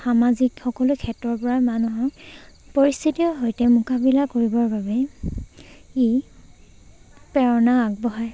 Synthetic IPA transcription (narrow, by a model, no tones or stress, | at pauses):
xamazikxɔkɔlʊkʰɛtːɔɹpɔɹamanuɦɔk | poɹist̪ʰitiɔɦojtɛmukabilakoɹibɔɹbabɛ | i | pɛɹɔnaak̚bɔɦaj